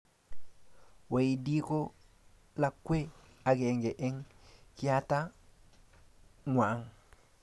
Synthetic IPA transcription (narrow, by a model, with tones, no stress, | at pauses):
wa˨ji˨di˦ko˦ | la˨kːwe˦a˨ɡe˨ŋɡe˨ʔe˦ŋki˦ja˦ta˦ | ŋʷaː˨˦ŋ